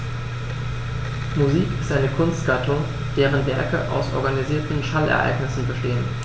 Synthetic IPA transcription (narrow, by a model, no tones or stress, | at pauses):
muziːkɪstʔaɪnəkʰʊnst̚ɡ̥atʰʊŋ | d̥eːʁ̞ənvɛɐkə̰ʔa̰ʊsʔɔ̰ɐɡaniziːɐtn̩ʃalɛ̰ɐʔa̰ɪɡnɪsn̩bəʃteːən